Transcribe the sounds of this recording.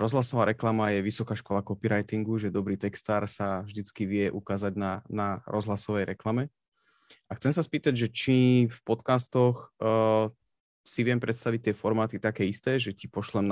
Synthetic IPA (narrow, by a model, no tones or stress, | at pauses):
ɾɔzlasɔʋaːɾɛklamajɛʋisɔkaːʃkɔlakɔpiɾajt̪iŋɡuʒɛd̪ɔbɾiːt̪ɛkst̪aːɾsavʒd̪it͡skiʋɪɛʔukaːzaɟnanaɾɔzɦlasɔʋɛjɾɛklamɛ | axtt͡sɛmsaspiːt̪aɟʒɛt͡ʃifpɔt̪kaːst̪ɔx | siʋɪɛmpɾʔɛt̪st̪aʋic̚t̪ːɪɛfɔɾmaːt̪it̪akɛːist̪ɛːʒɛcipɔʃlɛm